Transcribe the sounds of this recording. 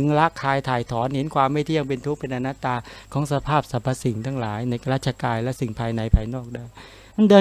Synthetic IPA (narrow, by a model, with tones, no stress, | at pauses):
ɯ˧ŋɾa˦˥kʰːaː˧jt̪ʰaː˨˩jt̪ʰɔː˩˦nhe˨˩˦nkʰwaː˧mːa˥˩jt̪ʰi˥˩əŋpe˧nt̪ʰu˦˥k̚pe˧nʔa˧na˦˥t̪aː˧kʰɔː˩˦ŋsa˧pʰaː˥˩p̚sa˨˩pʰːa˧si˨˩ŋt̪ʰaː˧˥˩ŋlaː˩˦jna˧jkɾaː˥˩t̪̚t͡ɕʰa˧kaː˧nlɛ˦˥si˨˩ŋpʰaː˧jna˧jpʰaː˧jnɔː˥˩k̚da˧˩j | ma˧ndɤː˧